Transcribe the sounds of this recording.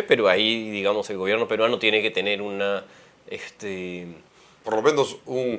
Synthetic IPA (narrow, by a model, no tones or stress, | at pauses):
pe̞ɾoaiðiɣamo̞se̞lɣo̞β̞je̞ɾno̞pe̞ɾwanot̪je̞neke̞t̪e̞ne̞ɾuna | est̪e | poɾlomenosun